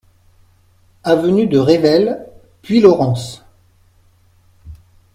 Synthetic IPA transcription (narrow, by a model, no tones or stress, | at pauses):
avənyd̪əʁevɛl | pɥilɔʁɑ̃s